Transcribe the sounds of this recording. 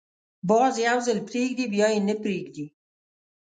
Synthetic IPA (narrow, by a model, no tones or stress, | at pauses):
bɑːzjawzəlpɾeːɡ̚d̪ibjɑːinəpɾeːɡd̪i